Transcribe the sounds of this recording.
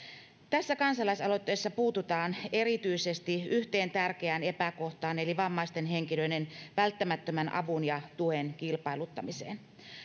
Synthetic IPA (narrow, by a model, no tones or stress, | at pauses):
t̪æsːækɑnsɑlɑisɑlo̞t̪ːejsːɑpuːt̪ut̪ɑːne̞ɾit̪yise̞st̪iʔyht̪e̞ːnt̪ærk̟eæne̞pæko̞ht̪ɑːne̞liʋɑmːɑist̪e̞nɦeŋkilø̞ine̞nʋælt̪ːæmæt̪ːømænʔɑ̰ʋunjɑt̪uenkilpɑilut̪ːɑmisḛːn